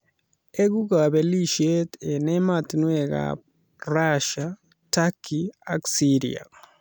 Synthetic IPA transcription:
eɡuɡabeliʃet̪enematnweɡa̰p̚ | raʃa | takʰːia̰ksiɾḭa̰

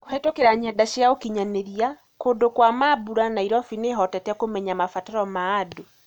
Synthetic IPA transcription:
kohɛtokeɾaɲɛdaɕeaokiɲaneɾia | kondokwamabuɾanaiɾɔfineɦɔtɛtɛkomɛɲamafataɾɔmaːdo

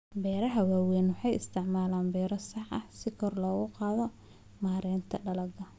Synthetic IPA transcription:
bɛːɾɐɦɐwaːwɛːnwɑħɑjɪst̪ʰɪʕmaːlaːnbɛːɾɔsɑħɐ̰hsɪkʰɔrlɔːɣʊqɑːðɔ | maːɾɛːnt̪ʰɐɖɐlɐɡɐ

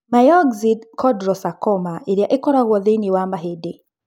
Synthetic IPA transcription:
majɔɡzidkʰɔdɾɔsakɔmaiɾiaʔikɔɾaɣɔðiniwambaɦidi

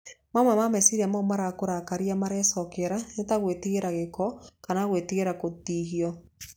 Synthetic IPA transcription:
mamamamɛsiɾamamaɾakoɾakaɾiamaɾɛsɔkɛɾanetaɣwetiɣeɾaɣekɔkanaɣwetiɣeɾakotiɦiɔ

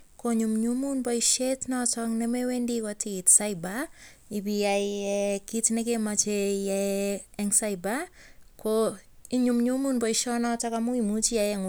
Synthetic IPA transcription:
koɲumɲumunbɔiʃetnɔtɔŋnɛmewendikɔtiːtsaiba | ibijajɛkitnɛkemat͡ʃejɛɛŋsaibakʰoiɲumɲumunbɔiʃɔnɔtakamuimut͡ʃiajɛŋ

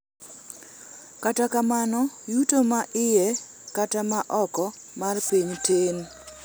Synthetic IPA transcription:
katakamanɔjutomaʔɪjɛ | katamaʔɔkɔ | marpiɲten

